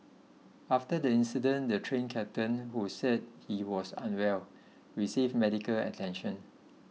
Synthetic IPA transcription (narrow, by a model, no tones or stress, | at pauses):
aftədəĩnsidə̃ndətʰɹẽnkʰɛp̚tə̃nhusɛd̚hiwɔsã̰nwɛl | ɹisivmɛdikəlɛ̰tʰɛ̃nʃə̃n